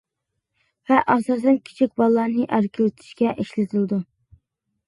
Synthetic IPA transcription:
vɛʔɑsɑːsɛnkʲʰi̥t͡ʃʰikʲbɑlˠːɑnɨʔæɾkʲʰilɪt̪ʰɪ̥ʃkʲɛʔiʃlɪt̪ʰɨld̪u

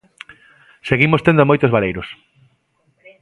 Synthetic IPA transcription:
seɣimost̪end̪omojt̪ozβalejɾʊs

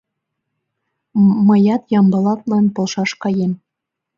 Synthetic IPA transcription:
mɤ̆jɑt̪jɑmbɤ̆lɑt̪lɑnpŏlˠʃɑʃkɑjem

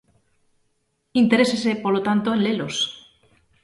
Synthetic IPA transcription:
int̪eɾesesepolot̪ant̪oenlelos

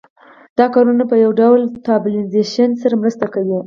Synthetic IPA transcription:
d̪̥ɑkɑɾunapəjawɖawlt̪ɑbɪlɪnzeʃənsaɾamɾəst̪akawi

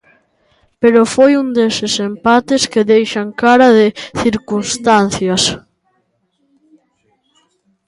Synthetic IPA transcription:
peɾofojund̪esesempat̪ɪskeðejʃaŋkaɾaðɪθiɾkunst̪anθjɐs

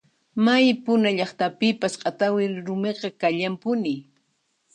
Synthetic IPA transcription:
majpʊnaʎɑχt̪apɪpasqʼɑt̪awɪɾʊmeqɑkaʎampʊnɪ

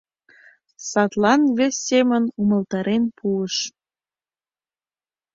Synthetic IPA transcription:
sɑt̪lɑnvesʲːemənumə̆lt̪ɑɾenpuəʃ

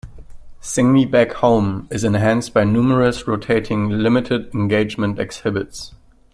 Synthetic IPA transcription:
sɪ̃ŋnibækhõʊ̃mɪzɛ̃nɦæ̃nstb̥aɪnumə˞əsɹoʊtʰeɪtʰɪ̃ŋlɪmɪtʰɪdɛ̃nɡeɪd͡ʒmə̃ntɛ̰kshɪbɪts

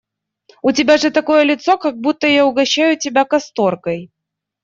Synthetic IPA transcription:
ʊtʲɪbʲaʐɨt̪ɐkojəlʲɪt̪sɔkɐɡ̚but̪ːəjaʊɡɐɕːajʊtʲɪbʲakɐst̪orkɐj

